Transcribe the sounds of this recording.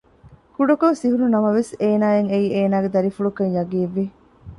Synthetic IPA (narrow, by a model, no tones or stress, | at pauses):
kuɖɐkosiɦununɐmɐʋeseːnaːeŋeieːnaːɡed̪ɐɾifuɭukɐɲjɐɡiːʋːi